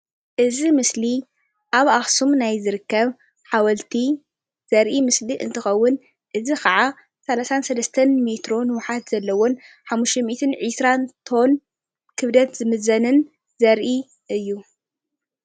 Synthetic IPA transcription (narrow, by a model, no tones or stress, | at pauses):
ʔɨzimɨsli | ʔaβaxsumnajzɨɾɨkːɐβ | ħawɐlt̪ʰi | z̥ɐɾʔimɨsliʔɨ̰nt̪ʰɨxɐwːʊn | ʔɨzikʰɐʕa | sɐlasansɐlɐst̪ʰɐnmet̪ɾo̞nɨwʊħat̪z̥ɐlːɐwon | ħamːuʃtemit̪ʰɨnʕɨsɾant̪ʰo̞n | kʰɨβd̪ɐt̪zɨmɨzɐnɨn | zɐɾʔi | ʔɨjːu